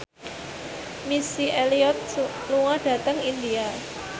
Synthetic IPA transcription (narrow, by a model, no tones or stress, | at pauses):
misiʔeliɔt̪̚ | luwad̥ä̤t̪əŋind̪ia